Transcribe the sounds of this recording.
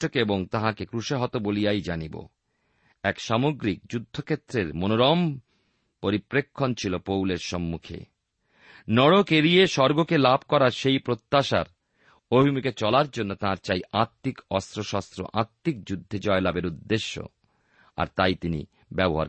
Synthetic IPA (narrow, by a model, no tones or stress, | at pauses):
okeeboŋt̪ãɦãkekɾuʃeɦɔt̪obolijajd͡ʑanibo̰ | ɛkʃamoɡɾik̚d͡ʑud̪ʱːokʰet̪ːɾeɾmonoɾɔm | poɾipɾekʰːont͡ɕʰilopowleɾʃɔmːukʰḛ | nɔɽokeɾijeʃɔɾɡokelab̚ʱkɔɾaɾʃejpɾot̪ːaʃa̰ɾ | obʱimiket͡ɕɔlaɾd͡ʑonːot̪ãɾt͡ɕajaɾt̪ːikɔst̪ɾoʃast̪ɾo̰ʔaɾt̪ːik̚d͡ʑud̪ʱːed͡ʑɔelabeɾud̪ːeʃːo̰ | a̰ɾt̪ajt̪inḭ | bɛboɦa̰ɾ